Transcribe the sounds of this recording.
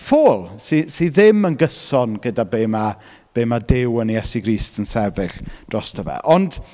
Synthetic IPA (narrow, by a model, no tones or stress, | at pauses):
foːlˠsisiðɪmənɡəsɔnɡədabejma | b̥ejmadɪwənijɛsiɡɾiːstənsɛvɪɬd̥rɔstʰəvɛ̰ʔɔnd̥